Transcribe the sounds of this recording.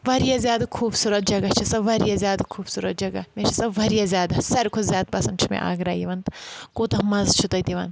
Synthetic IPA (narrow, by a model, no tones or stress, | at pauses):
ʋɐɾijɐzʲjaːd̪ɐkʰuːbsuːɾɐt̪̚d͡ʒɐɡɐt͡ʃʰisɐbʋɐɾijɐzʲjaːd̪ɐkʰuːbsuːɾɐt̪̚d͡ʒɐɡɐ̰meʃʰisɐbʋɐɾijɐzʲjaːd̪ɐsɐɾkʰozjaːt̪̚bɐsɐmt͡ʃʰimḛʔa̰ːɡɾaːjiʋɐnt̪koːt̪ɐmɐzt͡ʃʰut̪ɐt̪iʋɐn